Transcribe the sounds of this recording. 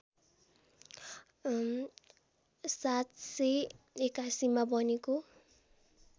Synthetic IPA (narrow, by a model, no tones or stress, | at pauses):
sat̪sʌj | ekasimabʌneko